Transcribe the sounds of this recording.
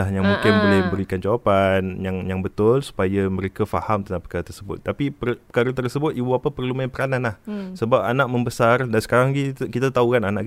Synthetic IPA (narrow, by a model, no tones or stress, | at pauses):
ahjaŋmũŋkɪnbolɪhbəɾikand͡ʒawapanjaŋjaŋbət̪ʊlsu̥pajamə̃ɾekafa̰hamt̪əapəkaɾat̪ərsəbʊ̰t̪ːapipəpəkaɾat̪ərsəbʊt̪ibuapəpərlumanpəɾananlahsəbap̚a̰nãʔməmbəsardansə̥kaɾaŋɡikit̪at̪aukananãʔk